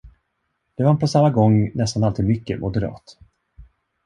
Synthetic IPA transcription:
d̪̥ɛvanpʰɔsamːaɡɔŋːnɛst̪analt̪ʰiːd̪mʏkːəmʔʊd̪ɛɾɑ̰ːt̪

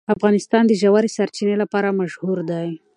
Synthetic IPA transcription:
afɣɑnɪst̪ɑnd̪əʒawaɾesaɾt͡ʃinelapɑɾamaʃhuɾd̪aj

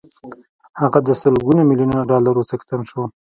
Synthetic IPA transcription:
haɣad̪əsəlɡunamiljunanaɖɑlaɾot͡səxt̪anʃo

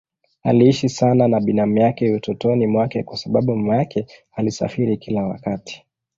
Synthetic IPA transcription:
a̰liiʃisananaɓinam̩jakɛutɔtɔnimwakɛkwasaɓaɓummjakʰɛhalisa̰fiɾikilawa̰kati̥

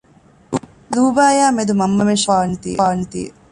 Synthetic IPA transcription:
luːbaːjaːmed̪umɐmːɐmenʃʋaːnit̪ḭːeaːnit̪ḭːḛ

